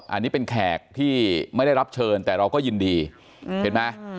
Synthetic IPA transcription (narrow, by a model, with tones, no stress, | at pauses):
ʔa̰˧nːiː˦˥pe˧nkʰɛː˨˩k̚t̪ʰiː˥˩ma˥˩jda˥˩ɾa˦˥p̚t͡ɕʰɤː˧nt̪ɛː˨˩ɾa˧wkɔː˥˩jɯː˧ndiː˧ | pe˧nma˦˥